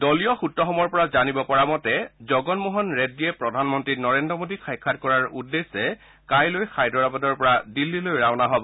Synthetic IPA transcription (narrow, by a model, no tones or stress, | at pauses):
dɔlijɔxutːɔxɔmɔɹpɔɹazanibɔpɔɹamɔtɛzɔɡɔnmuɦɔnɹediɛpɹɔdʱanmɔntɹinɔɹendɹɔmodixʰajkʰːat̚kɔɹaɹudːesɛ | kajlojxajdɔɹabadɔɹpɔɹadilːilojɹawnaɦɔbɔ